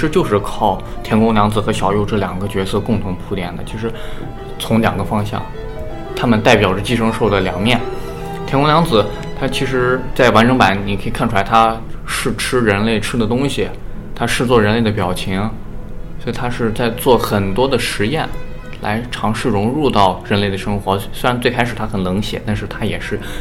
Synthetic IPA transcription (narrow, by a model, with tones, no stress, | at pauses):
ʂɻ̩˧˥t͡ɕjo˥˧ʊʂɻ̩˥˧kʰɑ˥˩ʊt̪ʰjɛ˧˥nkʊ˥ŋljɑ˧˥ŋd͡zɹ̩˩xɤ˧˥ɕjɑ˨˩ʊjo˥˧ʊʈ͡ʂɤ˥˩ljɑ˨˩ŋɡə˦t͡ɕɥɛ˧˥sɤ˥˧kʊ˥˩ŋt̪ʰʊ˧˥ŋpʰu˧˥t̪jɛ̰˨˩nd̪ə̰˨˩t͡ɕʰi˧˥ʂɻ̩˧˥ | t͡sʰʊ˧˥ŋljɑ̰˨˩ŋɡə˦fɑ˥ŋɕjɑ̰˥˩ŋ | t̪ʰa˥mə˨nt̪a˥˩ɪpjɑ˨˩ʊʈ͡ʂɤ˥˧˩t͡ɕi˥˧ʂɤ˥ŋʂo˥˩ʊd̪ə˩ljɑ̰˨˩ŋmjɛ˥˩n | t̪ʰjɛ˧˥nkʊ˥ŋljɑ˧˥ŋd͡zɹ̩˨˩ | t̪ʰa˥t͡ɕʰi˧˥ʂɻ̩˧˥t͡sa˥˩ɪwa˧˥nʈ͡ʂʰɤ˧˥ŋpa˧˥˦nni˨˩kʰi˨˩kʰa˥˩nʈ͡ʂʰu˧la˧˥ɪt̪ʰa˥ | ʂɻ̩˥˩ʈ͡ʂʰɻ̩˥ɻə˧˥nle˥˩ɪʈ͡ʂʰɻ̩˥d̪ə˨t̪ʊ˥ŋɕi˨˩ | t̪ʰa˥ʂɻ̩˥˧t͡swɔ˥˩ɻə˧˥nle˥˩ɪd̪ə˩pjɑ˨˩ʊt͡ɕʰi˧˥ŋ | swɔ˧˥i˨˩t̪ʰa˥ʂɻ̩˥˧t͡sa˥˧ɪt͡swɔ˥˩xə˨˩nt̪wɔ˥d̪ə˨ʂɻ̩˧˥jɛ˥˩n | la̰˧˥ɪʈ͡ʂʰɑ˧˥ŋʂɻ̩˥˩ɻʊ˧˥ŋɻu˥˧t̪ɑ˥˩ʊɻə˧˥nle˥˩ɪə˩ʂɤ˥ŋxwɔ˧˥swe˥ɪɻa˧˥nt͡swe˥˧ɪkʰɪʂɻ̩˨˩t̪ʰa˥xə˨˩nnɤ˧˥ŋɕjɛ̰˨˩˦t̪a˥˧nʂɻ̩˥˩t̪ʰa˥jɛ˨˩ʂɻ̩˥˩